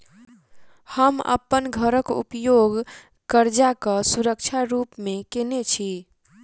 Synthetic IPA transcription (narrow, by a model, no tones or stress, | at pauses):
həmə̰pːənɡʱəɾəkṵpjoɡ | kəɾd͡ʒakəsuɾək̚t͡ʃʰaɾupmekenet͡ʃʰi